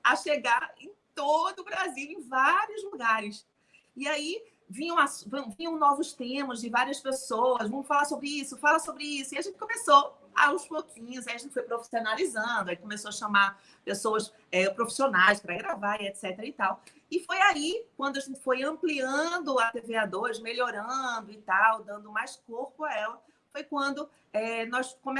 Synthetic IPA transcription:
aʃeɡaẽj̃t̪od̪ʊːbɾaziwẽj̃vaɾiʊzluɡaɾɪs | iai | vĩɲɐ̃w̃asṽvĩɲɐ̃w̃nɔvʊst̪ẽmɐzd͡ʒɪvaɾiɐspesowɐzvɐ̃m̃ʊfalasobɾɪisʊfalasobɾɪisʊiɐʒẽt̪ɪ̥kõmeso | a̰ũspokʰĩɲʊzaiɐʒẽt̪ɪfojpɾofi̥sionalizɐ̃d̪ʊaikomesoɐʃɐ̃maɾ | pesowɐs | ɛpɾofi̥sionajspɾɐɡɾavaɾiɛt̪sɛt̪eɾɐit̪aw | ɪfojaikwɐ̃d̪ʊaʒẽnt̪ɪ̥fojɐ̃pliɐ̃d̪ʊat̪evead̪ojzmeʎoɾɐ̃d̪ʊɪt̪awd̪ɐ̃nd̪ʊmajskoɾpʊaɛlɐ | fojkwɐ̃nd̪ʊ | ɛnɔskõm

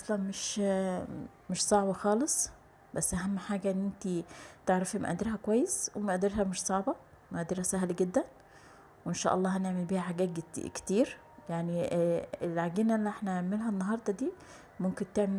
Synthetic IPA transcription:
ʔɑsˤlɑnmeʃ | meʃsˤɑʕbɑxɑːlesˤ | bæsːʔæɦæmːħaːɡæʔenːʔent̪it̪eʕɾɑfæmæ̰ʔæ̰d̪ɪɾɦækowæjːeswemæʔæd̪eɾɦæmeʃsˤɑʕbɑ | mæʔæd̪eɾhæsæɦlɡed̪ːæn | wʔenʃæ̰ːʔɑ̰lˤːɑːɦæneʕmelbiːhæħaɡæːt̪̚ɡ̪kt̪iːɾ | jaʕnielʕaɡiːnæʔelːiʔeħnæeʕmelɦænːɑɦɑɾˤd̪ˤɑd̪iː | momkent̪eʕme

